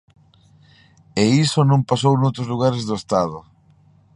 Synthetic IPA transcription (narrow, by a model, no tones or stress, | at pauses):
eisonõmpasownowt̪ɾozluɣ̞aɾezðoest̪að̞ʊ